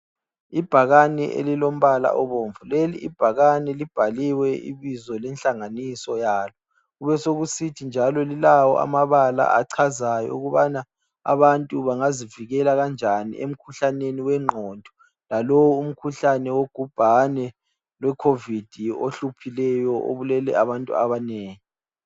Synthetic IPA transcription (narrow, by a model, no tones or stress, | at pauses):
ib̥ʱaɣanɛ̰ʔḛlilom̩βala̰ʔɔβoɱvulelḭʔːb̥ʱaɣanɛlib̥ʱaliwɛḭβizɔlɛnɬʼaŋanisɔjaːlɔ | ɣuβɛsoɣusitʰind͡ʒʱalɔlilawɔ̰ʔa̰maβala̰aǀʰazajɔ̰uɣuβana | a̰βantʼuβaŋaziviɣɛlaɣand͡ʒʱanḭʔḛm̩kʰuɬaneniwɛŋ͡ǃʱɔndʱɔ̥ | lalowum̩kʰuɬanɛwoɡ̥ʱub̥ʱanɛ | lwɛkʰovid̥ʱio̰ɬupʰilɛjɔʔo̰βulɛlɛ̰aβantʼṵa̰βaneːŋi